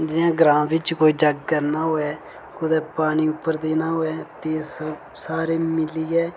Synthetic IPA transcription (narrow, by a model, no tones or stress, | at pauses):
d͡ʒɪjãːɡɾãːʋɪt͡ʃkoːiːd͡ʒəɡkəɾnaːɦoːɛː | kʊd̪ɛːpaːɽ̃iːʊpːəɾd̪eːnaːɦoːɛːt̪eːs | saːɾeːmɪliːɛː